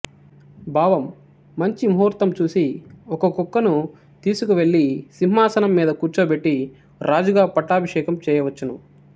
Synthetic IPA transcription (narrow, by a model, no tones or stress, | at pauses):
bʱaːʋɐmː | ɐɲt͡ʃimɦuːɾt̪ɐmt͡ʃuːsiɔkɐkukːɐnu | t̪iːsukuʋe̞ɭːisimmaːsɐnɐmːiːd̪ɐkuːɾt͡ʃɐːbe̞ʈːi | ɾʔaːd͡ʒuɡaːpɐʈːaːbʱɐʂɛːkɐmt͡ʃɛːjɐʋɐt͡ʃːɐnṵ